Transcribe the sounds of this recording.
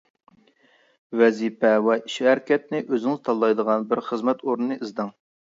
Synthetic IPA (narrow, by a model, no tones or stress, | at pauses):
vɛzipɛwɛiʃæɾkʲɛt̪̚nɪʔøzɪŋzt̪ʰɑlˠːɑjd̪əʁɑnbɪɾχəzmɛt̪ʰoɾnɨnɨɨzd̪ɨŋ